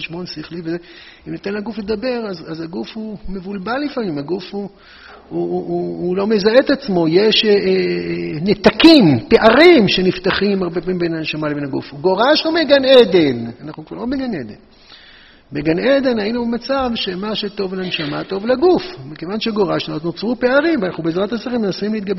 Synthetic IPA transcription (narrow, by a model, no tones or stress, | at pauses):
ʃmonsiχliveze | imnit̪enlaɡufle̞d̪abe̞ʁazazaɡufumevulbalːifamimaɡufu | uːlo̞mezaet̪at͡smo̞jeʃe | net̪akimpeʔaʁimʃe̞nift̪aχimaʁbepamimbenanʃamalevenaɡṵfuɡo̞ʁaʃumeɡaned̪e̞nanaχnukva̰ʁlo̞beɡaned̪ḛn | beɡaned̪e̞nainumat͡savʃe̞maʃet̪o̞vlanʃamat̪o̞vlaɡufmikevanʃeɡo̞ʁaʃnot̪not͡sʁupe̞aʁimvanaχnubeːzʁat̪asiʁimenasimleit̪ɡabe